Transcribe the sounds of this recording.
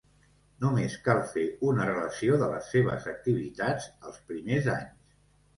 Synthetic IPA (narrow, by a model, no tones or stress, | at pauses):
numeskalˠfeunərələsioðələsːeβ̞ə̰zək̚t̪iβit̪ad͡zəlˠspɾimeza̰ɲs